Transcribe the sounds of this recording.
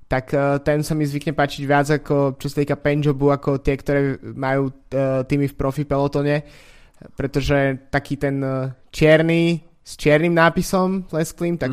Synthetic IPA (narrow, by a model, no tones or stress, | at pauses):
t̪akːt̪ɛnsamizʋikɲɛpaːt͡ʃiɟʋɪad͡zakɔt͡ʃɔsḁt̪iːkapɛnd͡ʒɔbuakɔt̪ɪɛkt̪ɔɾɛːmajuːt̪iːmifpɾɔfipɛlɔt̪ɔɲɛ | pɾɛt̪ɔʒɛt̪akiːt̪ɛnt͡ʃɪɛɾni | st͡ʃɪɛɾnimnaːpisɔmlɛnskliːmt̪a